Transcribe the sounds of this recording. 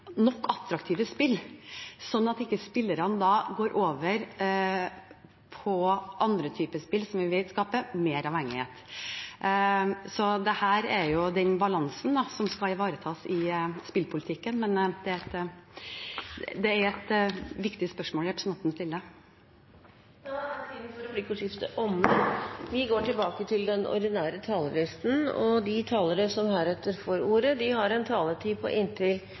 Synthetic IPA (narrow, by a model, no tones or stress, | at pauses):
nɔkːɑt̪ːɾɑkt̪ʰiːʋəspɪlːsɔnːɑt̪ɪkːəspɪlːəɾɑnəd̪ɑɡoːɾʔoːʋəɾ | pʰɔʔɑnd̪ɾət̪ʰyːpəspɪlːsɔmʋɪʋɪlskɑːpəmeːɾɑʋhɛŋːɪhḛːt̪ | sɔd̪ɛhæːɾɛɾjʊd̪ɛnbɑlɑnsnd̪ɑsɔmskɑlɪʋɑːɾət̪ʰɑːsɪspɪlpʰʊlt̪ʰɪkːənmɛnd̪ɛæɛt̪ | d̪ɛæɾɛt̪ʋɪkt̪ɪspœʂmoːljɛpʰə̥smɑt̪ːənst̪ɪld̪ə | d̪ɑæsid̪nfɔɾɑplikuːʂɪft̪ə̰ʔɔməʋɪɡoːʈɪlbɑːkət̪ʰɪld̪ɛnɔ̰ɾɖ̪ɪnæːɾət̪ʰɑːləlɪst̪n̩ɔ̰d̪ɪt̪ʰɑːləɾəsɔmhæːɾɛt̪ːəɾfɔɾuːɾəd̪ɪhɑɾɛnt̪ʰɑːlət̪ʰiːpʰɔ̰ʔɪnt̪ʰɪl